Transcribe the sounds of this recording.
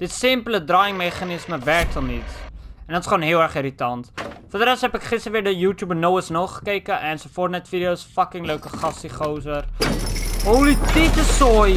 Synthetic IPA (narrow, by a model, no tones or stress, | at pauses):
d̥ətsɪmpələdrɑːjɪŋmeχanɪsməvɛrk̚tɔlˠnitɛndɐtɪ̥sχoːnɦiəlˠɛrχiɾitɐntfədəɾɛstɦɛpɛkχɪstəɾʋiːrdəjuːtjuːbənowəsnolˠχə̥kejkəʔɛnsofoːrtnɛtfidiowsfɐkɪŋləɥkəχɐsiχowzər | owlititəsɔj